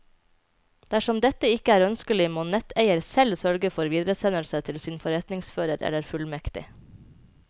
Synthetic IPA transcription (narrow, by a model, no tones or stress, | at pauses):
d̪̥æʃɔmd̪ɛt̪əɪkəæːɾœnskəlɪmoːnɛt̪ʰeɪəɾsɛlsœɾɡəfɔɾʋiːd̪ɾəsɛnəlsət̪ʰɪlsɪnfɔɾɛt̪nɪŋsføːɾəɾɛ̰ləɾfʉlmɛkt̪ɪ̰